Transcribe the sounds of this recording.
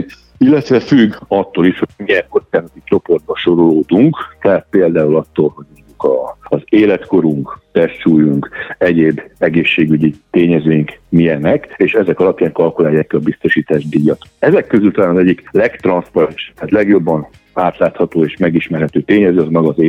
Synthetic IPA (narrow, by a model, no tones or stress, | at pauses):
ilːɛt̪ʋɛfyɡɒt̪ːoːliʃhomiɛŋkot̪skaːnot̪it͡ʃo̞po̞rd̪̚bɒʃo̞ɾo̞loːd̪uŋkt̪ɛat̪̚peːld̪aːulɒt̪ːoːlɦo̞ɟmoɲɟukɒːzeːlɛt̪ko̞ɾuŋkt̪ɛʃuːjuŋkɛɟeːbɛɡeːʃːeːɡyɟit̪eːɲɛzøːjiŋkmijɛnɛkeːʃɛzɛkɒlɒpjaːŋkɒlkulaːjːaːkːiɒbist̪o̞ʃiːt̪aːʒd̪iːjːɒt̪oɛzɛkːøzylt̪ɒlaːnɒzɛɟːiklɛkt̪rɒnspɔɾɛnʃt̪aːt̪lɛɡjo̞bːɒn | aːt̪laːt̪hɒt̪oːeːʃmɛɡiʃmɛrɦɛt̪øːt̪eːɲɛzøːɒzmɛɡɒzeː